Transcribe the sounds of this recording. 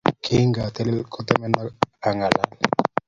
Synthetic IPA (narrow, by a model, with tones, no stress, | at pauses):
kʰi˦ŋɡa˨t̪ɛ˦lɛ˦lkʰo˦t̪ɛ˦mɛ˦na˦a˨ŋa˨la̰˨l